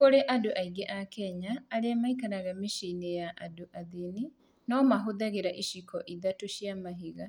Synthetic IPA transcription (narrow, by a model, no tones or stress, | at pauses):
koɾeʔadoʔaiɡeʔakɛɲaːɾeamaikanaɣamiʃinejaʔadoʔaðini | nɔmaɦoðaɣeɾaʔiʃikɔʔiðatoʃjamaɦiɣa